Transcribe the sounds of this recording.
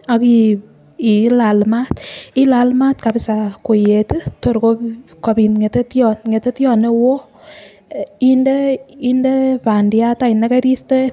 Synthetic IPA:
a˨ki | i˨la˨lma˦ti˦lalma˦tka˨pɪsako˨jetu˦to˨ɾko˦ | kɔ˨pi˨nŋe˨te˦tjɔŋe˨te˦tjɔ˨ne˦wo˦ | indəindepa˨ndijata˦i˨naka˦ɾi˦ste˦

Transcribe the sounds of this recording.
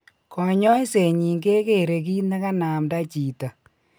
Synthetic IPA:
kɔ˨ɲɔ˦jse˨ɲi˨ŋɡe˦ke˨ɾe˨k̬i˦na˦ka˦na˨mda˦t͡ʃiː˨ta˨

